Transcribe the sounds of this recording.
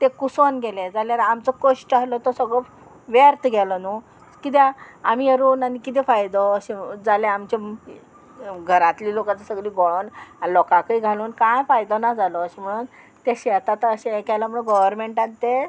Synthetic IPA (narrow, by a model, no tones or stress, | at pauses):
t̪ekusɔnɡʱɛlẽd͡zaljaɾamt͡sɔkoʂʈalɔt̪ɔsəɡɭɔ | ʋeɾt̪ɡʱɛlɔnu | kit̪̬ɛamieɾuːnanikit̪̬ɛfajd̪ɔːɕid͡zalẽamt͡ɕe | ɡʱəɾãt̪liːlokat͡sasəɡliːɡɔɭonalɔkakəiɡʱaluːnkãjfajd̪ɔnad͡zalɔːɕem̤əɽun | t̪eɕɛt̪at̪əɕẽkɛləm̤əɽũɡɔʋəɾmeɳʈãnt̪ːe